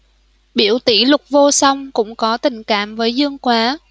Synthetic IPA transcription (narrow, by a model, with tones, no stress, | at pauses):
ɓi˧˩əwt̪ḭ˧˩lʊ˨˩k͡p̚vo˧sə˧wŋ͡mkʊ̰˧˥ŋ͡mkɔ˨˦t̪ï˨˩ŋ̟ka̰ː˧˨mvəː˨˦jzɨ˧əŋkwaː˨˦